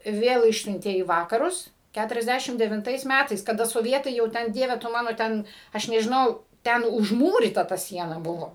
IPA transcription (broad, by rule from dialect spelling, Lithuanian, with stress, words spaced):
ˈʋʲeːlˠ ˈɪʃʲsʲʊnʲtʲeː iː ˈʋɑːkɐrʊs ˈkʲætʊrʲɛzʲˈdʲæʃʲɪm dʲɛʋʲɪnˈtɐɪs ˈmʲætɐɪs kɐˈdɐ soːˈʋʲiɛtɐɪ jɛʊ ˈtʲɛn ˈdʲiɛʋʲɛ tʊ ˈmɑːnoː ˈtʲɛn ˈɐʃ nʲɛʒʲɪˈnɐʊ ˈtʲɛn ʊʒˈmuːrʲiːtɐ tɐ ˈsʲiɛnɐ ˈbʊʋoː